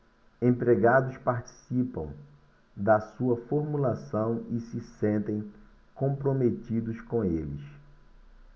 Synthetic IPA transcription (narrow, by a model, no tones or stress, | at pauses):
ẽpɾeɡad̪ʊspaɾt͡ʃi̥sipɐ̰̃w̃ | d̪ɐsuɐfoɾmulasɐ̃w̃ɪsɪsẽnt̪ẽj̃ | kõpɾomet̪id̪ʊskõw̃elis